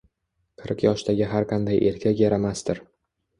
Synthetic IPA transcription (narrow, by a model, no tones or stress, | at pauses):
qʰɨɾqjɒʃt̪ʰaɡʲɪɦaɾqʰɑnd̪ajʔe̞ɾkʲʰakʲjaɾamast̪ɪɾ